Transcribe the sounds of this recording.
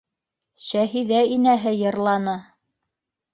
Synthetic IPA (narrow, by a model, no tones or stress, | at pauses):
ʃæɦiðæinæɦɘjɤ̆ɾlˠɑnɤ